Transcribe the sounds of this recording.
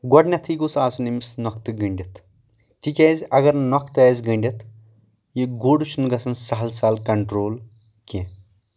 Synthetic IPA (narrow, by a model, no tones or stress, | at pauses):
ɡɔɖnʲɐt̪ʰiɡusaːsunimisnɔkt̪ɨɡəɳɖʲɐt̪ | t̪ikʲeːzʲɐɡɐɾnɔkt̪ɐːzʲɡəɳɖʲɐt̪ | jiɡoːɽut͡ʃʰunɡɐsɐnsɐɦɐlsaːlkɐɳʈɾoːl | kẽ